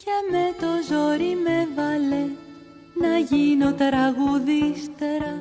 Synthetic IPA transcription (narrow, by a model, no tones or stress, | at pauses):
ceme̞t̪ozoɾimevɐle | nɐʝino̞t̪ɾɐɣuðist̪e̞ɾɐ